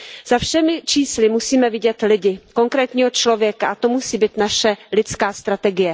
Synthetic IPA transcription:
z̥afʃɛmɪt͡ʃiːslɪmusiːmɛvɪɟɛt̪lɪɟɪkoŋkɾɛːt̪ɲiːɦo̞t͡ʃlo̞vjɛkaʔat̪omusiːbiːt̪naʃɛlɪt͡skaːst̪ɾat̪ɛɡɪjɛ

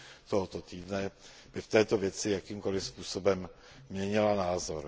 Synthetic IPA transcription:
t̪oɦot̪ot̪iːdnɛb̥ɪft̪ɛːt̪o̞vjɛt͡sɪjakiːmko̞lɪfspuːso̞bɛmː | ɲɛɲɪlanaːzo̞ɾ

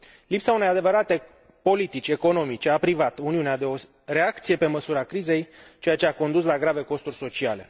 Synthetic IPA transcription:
lipsaune̞jad̪e̞vəɾat̪e̞ | po̞lit̪it͡ʃʲe̞ko̞no̞mit͡ʃeapɾivat̪uniunead̪e̞o̞ | re̞akt̪sije̞pe̞məsuɾakɾize̞jt͡ʃejat͡ʃe̞ako̞nd̪us̬laɡɾave̞ko̞st̪urʲso̞t͡ʃiale̞̰

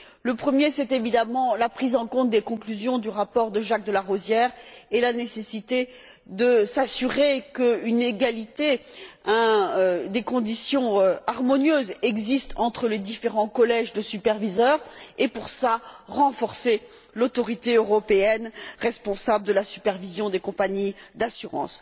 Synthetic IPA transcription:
ləpχəmjesɛt̪evid̪amɑ̃lapχizɑ̃kɔ̃t̪̚d̪ekɔ̃klyzjɔ̃d̪yʁapɔʁd̪əʒak̚d̪əlaʁozjɛʁelanesesit̪e | d̪əsasyʁekəyneɡalit̪eɛ̃d̪ekɔ̃d̪isjɔ̃øaʁmɔnjøzɛɡzist̪ʰɑ̃t̪χəled̪ifeʁɑ̃kɔlɛʒd̪əsypɛʁvizœʁepuʁsaʁɑ̃fɔʁse | lot̪ɔʁit̪eøʁɔpeɛnʁɛspɔ̃sabləd̪əlasy̥pɛʁvizjɔ̃d̪ekɔ̃paɲid̪asyʁɑ̰̃s

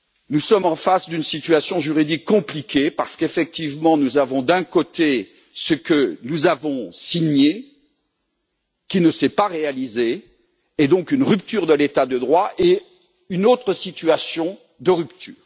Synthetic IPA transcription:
nusɔmɑ̃fasd̪ynsit̪ɥasjɔ̃ʒyʁid̪ikːɔ̃plikʲepaʁsə̥kefɛk̚t̪ivmɑ̃nuzavɔ̃d̪ɛ̃kot̪e | səkənuzavɔ̃siɲe | kʲinəsɛpaʁealizeː | d̪ɔ̃kynʁypt̪yʁd̪əlet̪ad̪əd̪ʁwaʔe | ynot̪χəsit̪ɥasjɔ̃ | d̪əʁypt̪ʰyːʁ

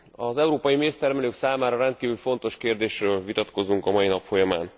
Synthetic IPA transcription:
ɒzɛuɾoːpɒjimeːst̪ɛrmɛløːksaːmaːɾɒɾɛnt̪̚kiːvylfo̞n̪t̪o̞ʃkeːrd̪eːʃrøːlvit̪ɒt̪ko̞zuŋkɒmɒjinɒpfo̞jɒma̰ːn

